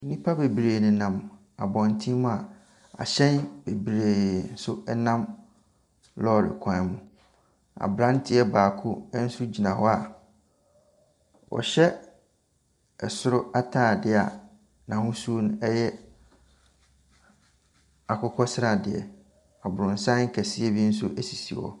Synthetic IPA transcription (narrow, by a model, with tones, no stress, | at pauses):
nĩ˦pʰa˦be˨bɾeː˨nɪ̃˨nã˨m | a̰˨bɔ̃˨ntʰĩ˦mʊ̃˦a˨ | a̰˨ɕɛ̃˦nb̥e˨bɾeː˨n̩˦sʊ˦ɛ˦nã˦m | lɔ˦˨ɾɪ̰˨kʷʰã˨˦mʊ̃˨ | a̰˨bɾã˦n˦tʰɪ˦ɛ˦baː˨kʰʊ˦n̩˦sʊ˦d͡ʑi˨nã˨hɔ˦a˨ | wɔ̰˨ɕɛ˦ | ɛ˨sʊ˦ɾʊ˦a˦tʰãː˦˨dɪ˦a̰˨ | nã˨hʊ̃˦su˦o˦ñ̩˦ɛ˦jɛ˦ | a˨kʰʊ˦kʰɔ˦sɪ˦ɾa˨dɪ˨ɛ̰˨ | a˨bʊ˨ɾʊ̃˨n̩˨sã˦ŋ̩˦kʰæ˨si˦ɛ˦bi˦n̩˦s̬ʊ˦ʔæ˦si˨si˨wɔ̰˨